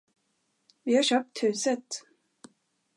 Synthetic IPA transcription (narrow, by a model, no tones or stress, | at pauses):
vɪhaɕœːp̚t̪hʉ̟ːsət̪